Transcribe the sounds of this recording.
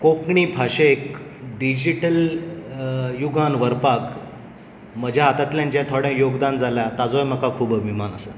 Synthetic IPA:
kokɳipʰaɕekɖid͡ʑiʈəl | juɡanʋəɾpak | məd͡ʑʱjaɦat̪at̪ljãɲt͡ɕãt̪ʰoɽɛ̃joɡd̪and͡zaljat̪ad͡zojməkakʰuːbəbʱimanəsə

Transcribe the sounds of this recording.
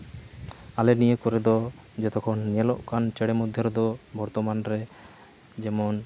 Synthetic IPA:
alɛnijekɔɾɛd̪ɔ | d͡ʒɔt̪ɔkʰɔnːiɛlɔʔkant͡ʃɛɽɛmɔd̪ʱjɔɾɔd̪ɔbʱɔɾt̪ɔmanɾɛ | d͡ʒɛmɔn

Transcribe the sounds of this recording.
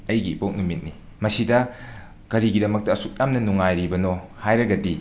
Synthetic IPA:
ɐjɡipok̚numit̚ni | mɐsidɐ | ɡ̥ɐɾiɡidɐmɐk̚tɐɐsuk̚jamnɐnuŋajɾibɐnohajɾɐɡɐdi

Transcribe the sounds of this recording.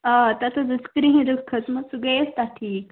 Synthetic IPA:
at̪at̪ʰod͡zəskɾiɦĩd̪ukʰːət͡sməɡsuɡəjest̪aʈʰiːk

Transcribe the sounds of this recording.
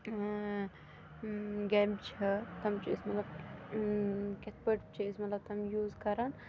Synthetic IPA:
ɡembt͡ʃʰɐt̪ɐmt͡ʃʰismɐt̪lɐb̚ | ket̪̚pəʈt͡ʃʰiismɐt̪lɐb̚t̪ɐmjuːzkɐɾɐn

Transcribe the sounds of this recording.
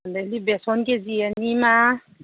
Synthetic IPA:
ndɛlibɛsɔnkeziɛnima

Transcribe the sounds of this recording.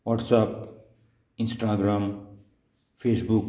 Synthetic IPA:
waʈsap | insʈaɡɾaːm | pʰesbuk

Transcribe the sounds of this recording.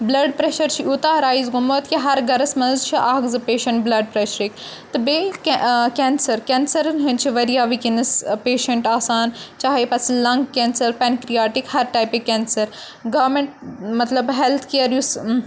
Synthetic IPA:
blɐɖpɾeʃɐɾt͡ʃʰiʔuːt̪aːɾaːizɡumot̪kiɦɐɾɡɐɾɐsmɐ̃nzt͡ʃʰiʔaːɡzɨpeːʃɐɳʈblɐɖ̚pɾeʃɾik | t̪ɨbekkensɐɾkeːnsɐɾɐnɦɐnt͡ʃʰiʋɐɾijaːʋikinɐspeːʃɐɳʈaːsaːnt͡ʃaːɦepɐslɐ̃ŋɡkeːnsɐɾpɛnkɾijaːʈikhɐɾʈaːjpekeːnsɐɾ | ɡɐʋmẽɳʈ̚mɐt̪lɐbɦelt̪ʰkijɐɾjus

